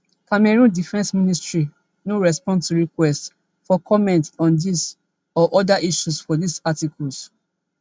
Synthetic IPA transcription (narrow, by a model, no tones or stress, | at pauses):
kamɛɹũndifɛ̃nsmĩnistɹi | noɹɛspɔ̃ndtuɹikwɛst | fɔkʰɔmɛ̃ntɔ̃ndis | ɔʔɔdaʔiʃusfɔdisatikʰɔls